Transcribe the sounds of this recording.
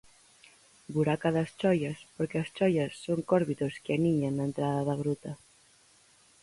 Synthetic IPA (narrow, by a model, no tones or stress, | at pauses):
buɾakaðɐst͡ʃɔjɐspoɾkeɐst͡ʃɔjɐsːoŋkɔɾβit̪oskeaniɲaŋnːaent̪ɾaðɐðɐβɾut̪ɐ